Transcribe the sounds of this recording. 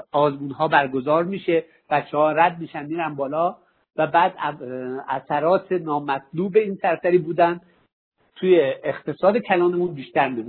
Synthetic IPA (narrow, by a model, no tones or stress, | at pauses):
ɒːzmuːnɦɒːbæɾɡo̞zɒːɾmiːʃe̞ | b̥æt̪t͡ʃːehɒːɾæd̪̚miːʃænmiːɾænbɒːlɒː | væbæːd̪ | æsæɾɒːt̪ʰenɒːmæt̪luːbe̞iːnsæɾsæɾiːbuːd̪ænd̪ | t̪ʰuːjeːχt̪ʰe̞sɒːd̪ecʰælɒːne̞munbiːʃt̪æɾmimu